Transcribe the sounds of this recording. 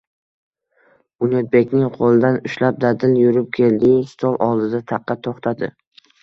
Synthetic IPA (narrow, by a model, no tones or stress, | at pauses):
bʊnot̪̚be̞kʲnɪŋqʰolˠɪd̪anʊʃlap̚d̪ad̪ɪljʊɾɪp̚kʲʰe̞ld̪ɪɪst̪ʰɒlˠʔɒlˠd̪ɪd̪at̪ʰɑqʰːɑt̪ʰoχt̪ʰad̪ɪ